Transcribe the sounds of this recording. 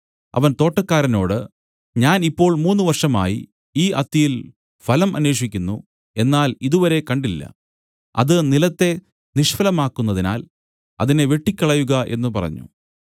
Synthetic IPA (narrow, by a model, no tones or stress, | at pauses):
ɐ̰ʋɐnt̪o̞ːʈːɐkːaːɾɐno̞ːɽɨ | ɲaːnipːo̞ːɭmuːnːɨʋɐrʂɐma̰ːjḭ | iːʔɐt̪ːijil | fɐlɐmʔɐ̰ne̞ːʂikʲːunːu | e̞nːaːliðuʋɐɾe̞kɐɳɖilːɐ̰ | ɐ̰ðɨnilɐt̪ːe̞ | niʂfɐlɐmaːkːunːɐðina̰ːl | ɐ̰ðine̞ʋe̞ʈːikʲːɐɭɐjuɣɐʔe̞nːupɐrɐ̰ɲːṵ